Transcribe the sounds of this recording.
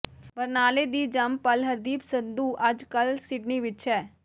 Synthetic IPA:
bəɾnaːled̪iːd͡ʒɐmpəlɦəɾd̪iːpsənd̪uːʔɐd͡ʒkəlsɪɖniʋɪt͡ʃɦɛː

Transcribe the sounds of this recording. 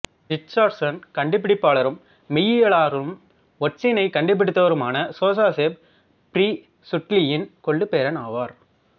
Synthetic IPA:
ɾɪt͡ʃːaːɖsɐnkɐɳɖɪpːɪɽɪpːaːɭɐɾɯmː | ɪjɪjɐɭaːɾɯm | ɔʈt͡ʃːɪnɐɪkɐɳɖɪp̬ːɪɽɯt̪ːɐʋɐɾɯmaːnɐsoːsaːseːb̚ | pɾiː | sʊʈlɪjɪnkɔɭːɯpeːɾɐnaːʋaːɾ

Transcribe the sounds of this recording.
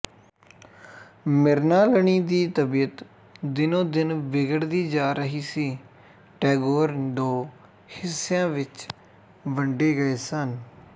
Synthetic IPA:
mɪɾnaːləɳiːd̪iːt̪əbiːət̪ | d̪ɪnõːd̪ɪnʋɪɡəɽd̪iːd͡ʒaːɾəɦiːsiː | ʈɛːɡoːɾd̪õː | hɪsːjãːʋɪt͡ʃ | ʋəɳɖeːɡəeːsən

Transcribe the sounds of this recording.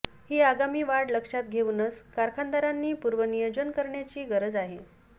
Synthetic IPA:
hiːaɡamiːʋaɽləkʂat̪ɡʱeʋunət͡skaɾkʰand̪aɾanːiːpuɾʋənijəd͡ʑənkəɾɳjat͡ɕiːɡəɾəd͡zaɦe

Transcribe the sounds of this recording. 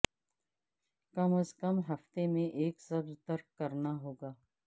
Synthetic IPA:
kɐməskəmɦɐft̪emẽʔeːkzɐbzt̪əɾkkɐɾnaɦoːɡaː

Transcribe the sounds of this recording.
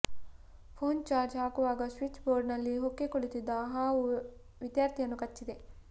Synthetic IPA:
pʰoːnt͡ʃaːɾd͡ʒɦaːkuʋaːɡɐsʋit͡ʃːboːɾɖnɐlːiɦokːekoɭit̪id̪ːɐɦaːʋu | ʋid̪jaːɾt̪ʰijɐnːukɐt͡ʃːid̪e̞

